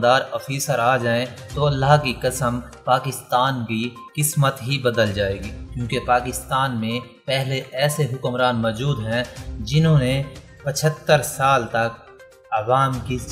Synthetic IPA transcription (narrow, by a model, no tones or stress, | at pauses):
d̪aːɾɔːfʰiːsəɾaːd͡ʒaːẽt̪oɐlːaɦkikɐsəmpaːkɪst̪aːnki | kɪsmət̪ɦibəd̪əld͡ʒaːeːɡiːkjõːkepaːkɪst̪aːnmẽ | pɛɦleʔɛːseɦʊkmɾaːnmɔːd͡ʒuːd̪ɦɛ̃d͡ʒɪnɦõːne | pət͡ʃʰət̪ːəɾsaːlt̪ɐk | ɐʋaːmki